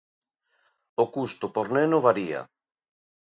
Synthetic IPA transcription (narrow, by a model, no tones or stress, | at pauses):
okust̪opoɾnenoβaɾia̰